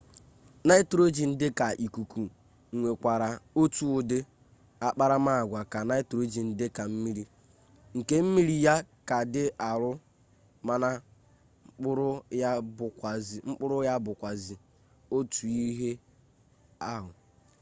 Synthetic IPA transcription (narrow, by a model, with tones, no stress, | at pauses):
na˦ɪ˦tɾo˦d͡ʒi˨n̩˦dɪ˦ka˨ʔi˨ku˨ku˨ | ŋ̩˨ŋʷe˨kʷa˨ɾa˨o˦tu˦ʊ˨dɪ˦ | a˦k͡pa˦ɾa˦ma˦˨ɡʷa˨ka˨na˦ɪ˦to˦d͡ʒi˨n̩˦dɪ˦ka˨m̩˦mi˦ɾi˦ | ŋ̩˨ke˦m̩˦mi˦ɾi˨ja˦ka˨dɪ˦ʔa˨ɾʊ˦ | ma˦na˦ | ŋ͡m̩˦k͡pʊ˦ɾʊ˦ja˦bʊ˨kʷa˨zŋ͡m̩˦k͡pʊ˦ɾʊ˦ja˦bʊ˨kʷa˨zi˨ | o˦tu˨i˦ɦe˦ | a˦ɦʊ˨